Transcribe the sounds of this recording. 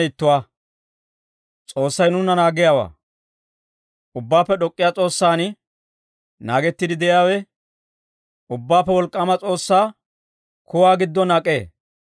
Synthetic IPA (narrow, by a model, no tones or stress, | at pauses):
ɪt̪ːʊwaː | t͡sʼo̞ːsːɐjnʊnːɐnaːɡɪjaːwa̰ː | ʔʊbːaːpːɛɗɔkʼːɪjaːt͡sʼo̞ːsːaːnɪ | naːɡɛt̪ːɪd̪ɪd̪ɛjaːwɛ | ʊbːaːpːɛwɔlkʼːaːmɐt͡sʼo̞ːsːaː | kʊwaːɡɪd̪ːɔnɐːkʼːe̞ː